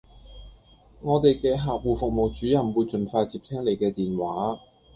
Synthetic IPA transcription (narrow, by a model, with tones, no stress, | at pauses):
ŋɔː˨˧t̪e˨jkɛː˧ɦaː˨k̚wuː˨˩fʊ˨k̚mo˨wt͡ʃyː˨˥jɐ˨˩mwuː˨˧jt͡sɵ˨nfaː˧jt͡siː˨p̚t̪ʰɛː˥ŋle˨jkɛː˧t̪iː˨nwaː˨˥